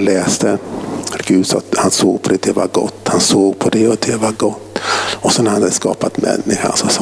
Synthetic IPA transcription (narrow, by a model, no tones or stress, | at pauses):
lɛːst̪əɡ̥ʉ̟ːd̪sɑ̰t̪hansoːɡ̚pʰɔd̪ɛd̪ɛva̰ɾɡɔ̰t̪ːhansoːɡpʰɔd̪ɛɔd̪ɛvaɡɔt̪ːɔsɔnæɾhanhad̪əskɑ̰ːpat̪mɛ̰nːɪɧa̰ɾsɔs